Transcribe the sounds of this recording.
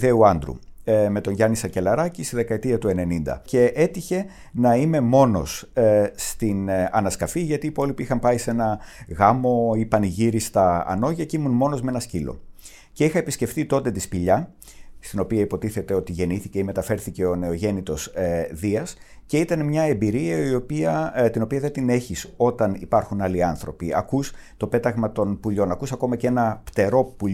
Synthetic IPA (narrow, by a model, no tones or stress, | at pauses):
ðeuɐnd̪ɾṵme̞t̪o̞nʝɐnisɐce̞lɐɾɐcist̪iðe̞kɐet̪iɐt̪ue̞ne̞nind̪ɐ̰ce̞ʔe̞t̪içe̞ | nɐime̞mo̞no̞̰sst̪inɐnɐskɐfiʝɐt̪iːpo̞lipiixɐmpɐise̞nɐɣɐmo̞ipɐniʝiɾist̪ɐ̰ːno̞ʝɐceimunmo̞no̞zme̞nɐscilo̞̰ | ce̞ixɐepisce̞fθit̪o̞nd̪et̪ispiʎɐ | st̪ino̞piɐipo̞t̪iθe̞t̪e̞o̞t̪iʝe̞niθiceime̞t̪ɐfe̞ɾθice̞o̞ne̞oʝe̞nit̪o̞zðiɐsce̞it̪ɐnemɲɐembiɾiɐio̞piɐt̪ino̞piɐðet̪ine̞çiso̞t̪ɐnḭpɐɾxunɐliɐnθɾo̞̰piɐ̰kust̪o̞pe̞t̪ɐɣmɐt̪o̞npuʎo̞nɐkusɐko̞mɐcee̞nɐpt̪e̞ɾo̞puʎ